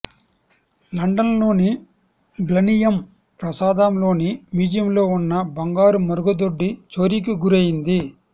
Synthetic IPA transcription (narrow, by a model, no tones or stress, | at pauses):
lɐɳɖɐnlo̞ːni | ɡlɐnijɐm | pɾɐsaːd̪ɐmlo̞ːnimiːd͡ʒijɐmlo̞ːunːɐbɐŋɡaːɾumɐɾuɡɐd̪oɖːit͡ʃoːɾik̬iɡuɾejind̪i